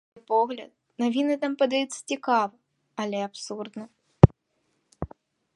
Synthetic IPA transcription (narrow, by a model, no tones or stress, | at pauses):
pɔɣlʲɐ̰t̪̚navʲinɨt̪ampɐd̪ajut̪sːɐ̥t͡sʲikavɐ | ɐlʲɛapsurd̪nɐ